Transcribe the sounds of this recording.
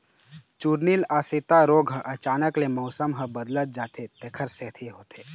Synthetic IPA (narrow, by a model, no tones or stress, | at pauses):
t͡ʃuːɾniːlaːsɪt̪aɾoːɡʱɦəʔɐt͡ʃaːnəklemɔʊsəmɦəbəd̪lət̪̚d͡ʒaːt̪et̪eːkʰəɾsɛːt̪ʰeɦoːt̪ʰeː